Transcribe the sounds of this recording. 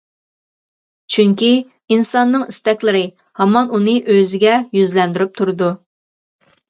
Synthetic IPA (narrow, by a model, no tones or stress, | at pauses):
t͡ʃʰyŋkʲi | insɑnːɨŋist̪ɛkʲlɪɾɪ | hɑmɑnunɨʔøzɪɡʲɛjyzlɛnd̪yɾyp̚t̪ʰuɾɨd̪u